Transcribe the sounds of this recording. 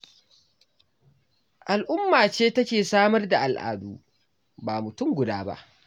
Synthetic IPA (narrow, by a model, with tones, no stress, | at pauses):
ʔa˨lʔʊ˦mːaː˨t͡ʃeː˦tɐ˦kʲeː˨saː˦mɐ˦rda˨ʔa˨lʔa̰ː˨duː˦ | baː˨mʊ˨tʊ˦˨mɡʷʊ˨daː˦ba̰˦ʔ